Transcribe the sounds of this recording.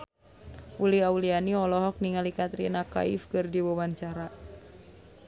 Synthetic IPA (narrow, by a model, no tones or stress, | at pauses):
ʔuliaulianiɔlɔɦɔk̚niŋalikat̪ɾinaka̰ḭfkɨrdiwowaɲt͡ʃaɾa